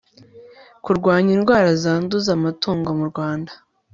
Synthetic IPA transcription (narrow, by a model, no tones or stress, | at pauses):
kuɾɡwaːɲinɡwaːɾazaːnduzamatuːŋɡo̞muɾɡwaːndḁ